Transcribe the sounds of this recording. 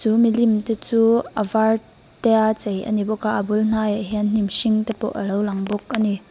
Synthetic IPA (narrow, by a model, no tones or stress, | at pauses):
t͡sumilimt̪ɛt͡suʔəvar | t̪ɛat͡sejʔɐ̰nibɔkaʔəbuln̥ajəɦiənn̥imʃiŋt̪ɛpɔ̰ʔəlowlɐŋbɔk̚ani